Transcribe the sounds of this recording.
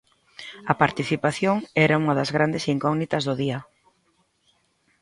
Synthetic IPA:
ɐpaɾt̪iθipaθjoŋɛɾauŋɐðɐzɣɾand̪esiŋkɔɣnit̪ɐzðʊðiɐ

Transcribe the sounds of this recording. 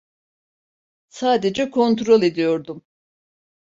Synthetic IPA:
saːd̪ed͡ʒɛkʰo̞nt̪ɾo̞lˠe̞d̪ijo̞ɾd̪um

